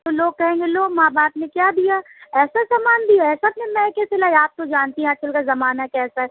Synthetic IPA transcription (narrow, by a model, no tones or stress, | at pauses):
t̪oloːɡ̚kɐɦẽːŋɡeloːɡmaːbaːpnekjaːd̪ijaːɛːsasaːmaːnd̪ijaɛːsaːp̚nemɛ̃kɛselaːiaːp̚t̪od͡ʒaːnt̪iɦɛ̃ɐt͡ʃʰɐlkazɐmaːnakɛːsaɦɛ